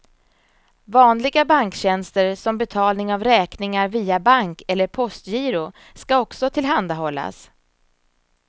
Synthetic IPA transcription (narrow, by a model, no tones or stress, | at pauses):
vɑːnlɪɡabaŋkɕɛnst̪əɾsɔmbɛt̪ʰɑːlnɪŋavɾɛːknɪŋaɾviːabaŋkɛlːəɾpʰɔst̪jiːɾʊ | skaɔksɔt̪ʰɪlɦand̪aɦɔlːa̰s